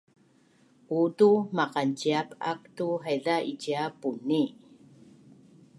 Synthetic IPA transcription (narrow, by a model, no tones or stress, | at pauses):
ʔutumaqanciapak̚tuɦajɮaʔiciapuni